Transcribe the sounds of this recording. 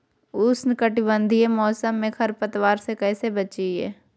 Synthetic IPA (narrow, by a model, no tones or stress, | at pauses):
ʊsnɪkəʈɪbə̃nd̪ʱiemɔːsəmːẽkʰɐɾpət̪waːɾsekɛːsebɐt͡ʃiɦɛ̰ː